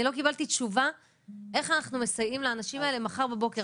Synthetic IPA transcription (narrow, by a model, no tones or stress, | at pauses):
ilo̞kibalt̪itʃuva | ʔe̞χanaχnume̞sajimlaːnaʃimae̞le̞maχaʁbebo̞ke